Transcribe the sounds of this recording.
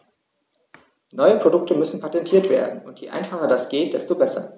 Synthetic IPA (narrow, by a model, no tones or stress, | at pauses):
nɔʏəpʁ̥odʊk̚təmʏsn̩pʰatɛntʰiːɐtv̥ḛːɐdn̩ʊntjeːʔa̰ɪnfaχɐdasɡ̥eːt̚d̥ɛstobɛsɐ̰